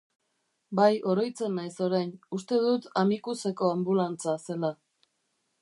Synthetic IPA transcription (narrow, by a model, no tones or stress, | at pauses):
bajo̞ɾo̞jt͡se̞nːajso̞ɾajnust̪e̞ðut̪amikuse̞ko̞ambulant͡sase̞la